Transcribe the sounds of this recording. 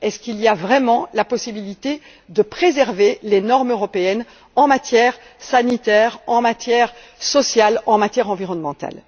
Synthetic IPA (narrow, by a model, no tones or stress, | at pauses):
ɛskiliavʁɛmɑ̃lapɔsibilit̪e | d̪əpχezɛʁvelenɔʁmøʁɔpeɛn | ɑ̃mat̪jɛːʁ | sanit̪ɛːʁɑ̃mat̪jɛʁ | sɔsjalɑ̃mat̪jɛʁɑ̃viʁɔnmɑ̃t̪a̰l